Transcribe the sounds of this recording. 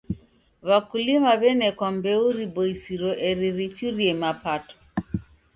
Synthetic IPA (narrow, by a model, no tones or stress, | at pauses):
βakulimaβɛnɛkwambɛuɾibɔisiɾɔʔɛɾiɾit͡ʃuɾiɛmapatɔ̥